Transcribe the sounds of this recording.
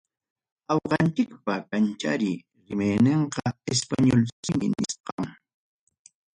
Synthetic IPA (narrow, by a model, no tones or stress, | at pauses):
ɑwqɑnt͡ʃɪkpakant͡ʃa̰ɾɪ | ɾɪmajneɴqɑespaɲolsɪmɪ̰nɪsqɑŋ